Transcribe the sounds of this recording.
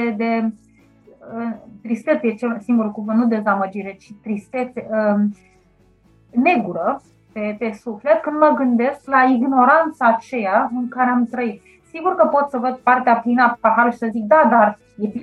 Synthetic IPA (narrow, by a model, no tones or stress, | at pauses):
ed̪e̞ | ət̪ɾist̪e̞t̪jet͡ʃesiŋɡuɾulkuvɨnnud̪e̞zaməd͡ʒiɾe̞t͡ʃit̪ɾist̪et̪se | ne̞ɡuɾə | pepe̞sufle̞t̪̚kɨnd̪məɡɨnd̪e̞sklaiɡno̞ɾant̪saːt͡ʃe̞jaɨŋkaɾeamt̪ɾəit̪̚ | siɡurkəpo̞t̪səvəd̪̚part̪eaplinapaɦaɾuʃi̥səzik̚d̪ad̪ar | jefi